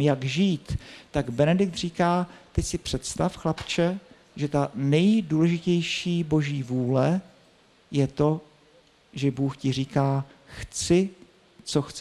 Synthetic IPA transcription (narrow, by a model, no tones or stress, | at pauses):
jaɡʒiːt̪t̪aɡbɛnɛdɪk̚t̪riːkaːt̪ɪsɪpr̝̥ɛt̪st̪afxlapt͡ʃɛ | ʒɛt̪anɛjduːlɛʒɪcɛjʃiːbo̞ʒiːvuːlɛ | jɛt̪o̞ | ʒɛbuːxcɪr̝iːkaːxt͡sɪ | t͡so̞xt͡s